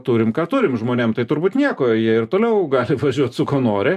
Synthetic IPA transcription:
t̪uːɾʲɪmkɑːt̪ʊːɾʲɪmʒmoːnʲeːmt̪ɐɪt̪ʊɾbuːt̪nʲiɛkoːjiɛɪrt̪oːlʲɛʊɡɑːlʲɪʋɐʒʲuɔt̪sʊkoːnoːɾʲɪ

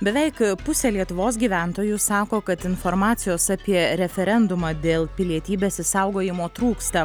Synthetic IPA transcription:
bʲɛʋʲɛɪkpʊsʲeːlʲiɛt̪ʊʋoːs̬ɡʲiːʋʲæˑnt̪oːjʊsɑːkoːkɐt̪ɪnfoɾmɑːt̪sʲɪjoːsɑpʲiɛɾʲɛfʲɛɾʲɛnd̪ʊmɑːd̪ʲeːlˠpʲɪlʲiɛt̪ʲiːbʲeːsɪsɑˑʊɡoːjɪmoːt̪ɾuːkst̪ɐ

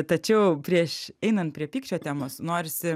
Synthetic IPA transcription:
t̪ɐt͡ʃʲɛʊpʲɾʲiɛʃɛɪnɐnt̪̚pʲɾʲiɛpʲiːkʃt͡ʃʲoːt̪ʲæːmoːsnoːɾʲɪsʲɪ

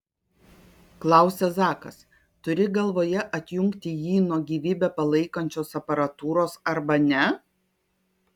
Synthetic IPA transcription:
klˠɑˑʊsʲɛsɑːkɐs | t̪ʊɾʲɪɡɐlˠʋoːjɛʔɐt̪ʲjʊŋkt̪ʲɪjiːnuɔɡʲiːʋʲiːbʲɛpɐlˠɐɪkɐnʲt͡ʃʲoːsɐpɐɾɐt̪uːɾoːsɐɾbɐnʲɛ

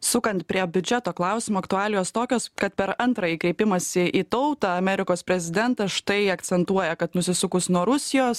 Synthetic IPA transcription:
sʊkɐnt̪̚pʲɾʲiɛbʲʊd͡ʒʲɛt̪oːklˠɑˑʊsʲɪmoːɐkt̪ʊɑːlʲɪjoːst̪oːkʲoːskɐt̪̚pʲɛɾɐnt̪ɾɐjiːkɾʲɛɪpʲɪmɐsʲɪʔiːt̪ɐʊt̪ɑɐmʲɛɾʲɪkoːspʲɾʲɛzʲɪd̪ʲɛnt̪ɐsʃt̪ɐɪɐkt̪sʲɛnt̪uɔjɛkɐt̪nʊsʲɪsʊkʊsnuɔɾʊsʲɪjoːs

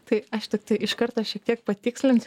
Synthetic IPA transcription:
t̪ɐɪɐʃt̪ɪkt̪ɐɪʔɪʃkɐrt̪oːʃʲiɛkt̪ʲiɛk̚pɐt̪ʲiːksʲlʲɪnʲsʲ

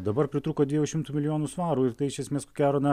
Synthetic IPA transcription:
d̪ɐbɐɾpʲɾʲɪt̪ɾuːkoːd̪ʋʲiɛjʊʃʲɪmt̪uːmʲɪlʲɪjoːnuːsʋɑːɾuːɪɾt̪ɐɪɪʃʲɛsʲmʲeːskokʲæːɾoːnʲɛ

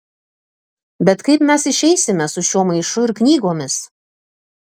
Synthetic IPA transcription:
bʲɛt̪kɐɪpmʲɛsɪʃʲɛɪsʲɪmʲɛsʊʃʲuɔmɐɪʃʊɪɾknʲiːɡoːmʲɪs

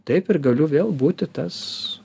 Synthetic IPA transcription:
t̪ɐɪpɪɾɡɐlʲʊʋʲeːlˠbuːt̪ʲɪt̪ɐs

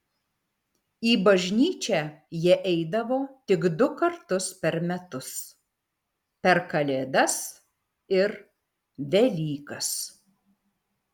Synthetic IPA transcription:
iːbɐʒʲnʲiːt͡ʃʲæːjiɛʔɛɪd̪ɐʋoːt̪ʲɪɡd̪ʊkɐɾt̪ʊspʲɛɾmʲɛt̪ʊs | pʲɛɾkɐlʲeːd̪ɐs | ɪɾ | ʋʲɛlʲiːkɐs

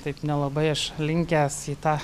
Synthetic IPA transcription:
t̪ɐɪpnʲɛlˠɐbɐɪɐʃlʲɪŋʲkʲæːsiːt̪ɑː

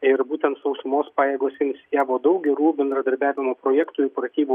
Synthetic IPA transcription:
ɪɾbuːt̪ʲɛnt̪sɐʊsʊmoːspɑːjeːɡoːsʲɛɪnʲsʲɪjʲæːʋoːd̪ɐʊk̚ɡʲɛɾuːbʲɛnd̪ɾɐd̪ɐɾʲbʲæːʋʲɪmoːpɾoːjæːkt̪uːɪpɾɐt̪ʲiːbuː

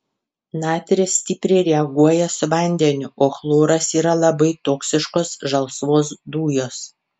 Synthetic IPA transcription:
nɑːt̪ʲɾʲɪsʲt̪ʲɪːpʲɾʲɛɪɾʲɛɐɡuɔjɛsʊʋɐˑnʲd̪ʲɛnʲʊʔoːxlˠoːɾɐsiːɾɐlˠɐbɐɪt̪oːksʲɪʃkoːsʒɐlˠsʋoːs̬d̪uːjoːs

